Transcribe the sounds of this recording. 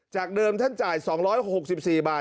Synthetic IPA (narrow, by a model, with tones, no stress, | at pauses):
t͡ɕaː˨˩k̚dɤː˧mt̪ʰa˥˩nt͡ɕaː˨˩jsɔː˩˦ŋɾɔː˦˥jho˨˩k̚si˨˩p̚siː˨˩baː˨˩